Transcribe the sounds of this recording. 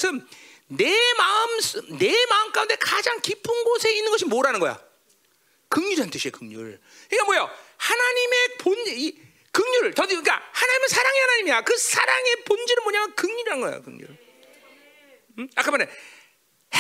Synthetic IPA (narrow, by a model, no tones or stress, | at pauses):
sʰɯm | ne̞maɯmsne̞maɯmk͈aunde̞kad͡ʑaŋkipʰɯnɡosʰe̞inːɯnɡʌɕʰimoɾanɯnɡʌjo̰ | kɯŋɲuɾiɦant͈ʰɯɕʰiekɯŋɲṵɭ | ɯkamwʌjohanaɲime̞poni | kɯŋɲuɭtʌdik͈ahanaɲimesʰaɾaŋehanaɲimiakɯsʰaɾaŋe̞pond͡ʑiɾɯnmoɲamjɯnkɯŋɲuɾiɦannɡʌḛjo̰kɯ̰ŋɲṵɾ | ak͈amane